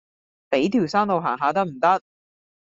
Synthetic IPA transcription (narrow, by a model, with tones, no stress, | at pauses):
pe˨˥jt̪ʰiː˨˩wsaː˥ŋt̪o˨wɦaː˨˩ŋɦaː˨˧t̪ɐ˥k̚m̩˨˩t̪ɐ˥k̚